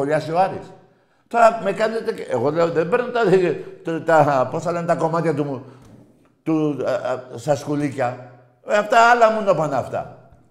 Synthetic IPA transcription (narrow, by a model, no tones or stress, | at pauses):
oʎɐsioɐɾis | t̪o̞ɾɐme̞kɐnet̪eeɣo̞leoðembe̞ɾnɐt̪ɐðit̪ɐpo̞sθɐle̞net̪ɐko̞mɐt̪çɐt̪umu | t̪u | sɐskulicɐ | aft̪ɐɐlɐmunopɐnɐft̪ɐ̰